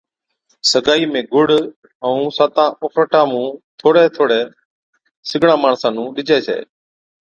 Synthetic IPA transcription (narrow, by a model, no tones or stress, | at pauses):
səɡaːiːmẽːɡʊɽ̤ | əũːsaːt̪ãːofʰɾəʈãːmũːt̪ʰoːɽɛːt̪ʰoːɽɛː | sɪɡʱɽãːmaːɳsãːnũːɗɪd͡ʒʱɛːsḛː